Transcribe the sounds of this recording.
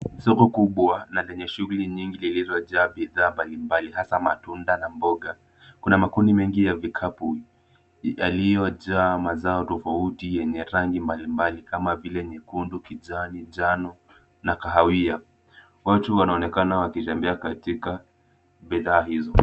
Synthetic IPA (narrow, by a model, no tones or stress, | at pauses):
sɔkɔkuɓwanalɛɲɛʃuɣuliɲiŋɡililizɔʄaːɓiðaːmbalimbalihasamatundanambɔɡa | kunamakundimɛŋɡijavikʰapu | ja̰lijɔʄaːmazaɔtɔfautijɛɲɛɾaŋɡimbalimbalikamavilɛɲɛkundukiʄaniʄanɔ | nakaɦawia | watuwanaɔnɛkanawakit͡ʃambɛakatika | ɓiðaːhizɔ